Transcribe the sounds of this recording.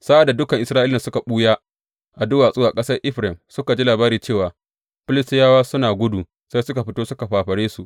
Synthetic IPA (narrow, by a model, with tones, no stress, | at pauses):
saː˦ʔa˨dːa˨dʊ˦kɐ˨ŋʔɪ˨sɾaː˦ʔɪ˦lːa˨sʊ˦ka˨ɓuː˦jaː˦ | ʔa˨dʊ˦waː˨sʼʊ˦waː˨kʼɐ˦sɐ˦rʔɪ˦ɸɾɛ˨msʊ˦ka˨d͡ʒiː˦laː˨baː˦ɾiː˨t͡ʃeː˦˨waː˨ | ɸɪ˦lɪ˦stɪ˦jaː˦waː˦sʊ˦naː˨ɡʷʊ˦duː˨ | sa˦jsʊ˦ka˨ɸɪ˦toː˦sʊ˦ka˨ɸaː˨ɸɐ˨ɽeː˦su˨ʔ